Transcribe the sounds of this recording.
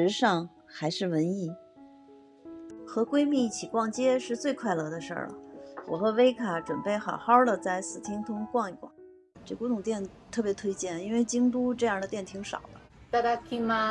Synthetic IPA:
ɻ̩˧˥ʂɑ˥˧ŋ | xa˧˥ɪʂɻ̩˥˩wə˧˥ni˥˩ | xɤ˧˥kwe˥ɪmi˥˧i˥˩t͡ɕʰi˨˩kwɑ˥˧ŋt͡ɕjɛ˥ʂɻ̩˥˧t͡swe˥˧ɪkʰwa˥˧ɪlɤ˥˧d̪ə˧ʂə̰˞˥˩lə̰˩wɔ̰˨˩xɤ˧˥we˥ɪkʰa˨˧˩ʈ͡ʂwə˨˩npe˥˩ɪxɑ˨˩ʊxɑ˥d̪ə˨t͡sa˥˩ɪsɹ̩˨˩t̪ʰi˥ŋt̪ʰʊ˥ŋkwɑ˥˧ŋi˧˩kwa̰˥˩˦ŋ | ʈ͡ʂɤ˥˩ku˥t̪ʰʊ˨˩ŋt̪jɛ˥˩nt̪ʰɤ˥˩pjɛ˧˥t̪ʰwe˥ɪt͡ɕjɛ˥˩ni˥nwe˥˧ɪt͡ɕi˥ŋt̪u˥ʈ͡ʂɤ˥˧jɑ˥˩ŋd̪ə˩t̪jɛ˥˩nt̪ʰi˧˥ŋʂɑ̰˨˩ʊd̪ə˦t̪a˥˧t̪a˥ki˥ma˧

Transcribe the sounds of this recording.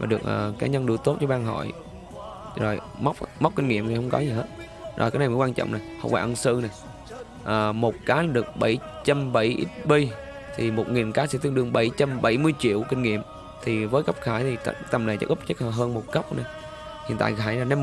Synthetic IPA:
vaː˨˩ɗɨ˨˩ək̚ʔəː˨˩kaː˨˦ɲə˧nɗɨ˧˩t̪o˦˥t̚t͡ɕɔ˨˦ɓaː˧ŋɦɔ̰˧˨j | zo˨˩j | ma˦˥wk͡p̚ma˦˥k͡p̚kï˧ŋŋḭ˧˨əmt̪i˨˩hə˧wŋ͡mkɔ˨˦zi˨˩ɦe˦˥t̚ | zo̰˨˩kaː˨˦jna˨˩jmə˨˦kwaː˧nt͡ɕɔ̰˧˨wŋ͡mna˨˩jhə̰˧wŋ͡mwaː˧ʔə˧nsɨ˧na˨˩j | ʔəː˨˩mo˨˩t̚kaː˨˦laː˨˩ɗɨ˨˩ək̚ɓə˧˩jt͡ɕa˧mɓə˧˩jʔḭ˦˥t̚ɓi˧j | t̪ʰi˨˩mo˨˩t̚ŋi˨˩nkaː˨˦sɛ̰˧˥t̪ɨ˧ŋɗɨ˧əŋɓə˧˩jt͡ɕa˧mɓə˧˩jmɨ˧əjt͡ɕḭ˧˨əwkï˧ŋ̟ŋḭ˧˨əm | t̪ʰi˨˩vəː˨˦jkə˦˥wp̚xaː˧˩jt̪ʰi˨˩t̪a̰˧˩t̪ə˧˩mna˨˩jɛ̰˦˥ʔʊ˦˥p̚t͡ɕə˦˥k̚hɦəː˧nmo˨˩t̚kə˦˥wk͡p̚na˨˩j | hḭ˧˨ənt̪a̰ː˧˨jxaː˧˩jlaː˨˩ne˧

